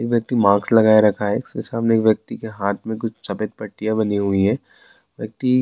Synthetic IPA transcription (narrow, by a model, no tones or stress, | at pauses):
eːkʋjɐk̚t̪imãːɡslɐɡaːeɾɐkʰaɦeksḛsaɦəmneːkʋjɐk̚t̪ikeɦaːt̪ʰmẽk̬ʊt͡ʃʰsɐpet̪̚pɐʈːijabɐniɦuiɦɛː | ʋjɐk̚t̪i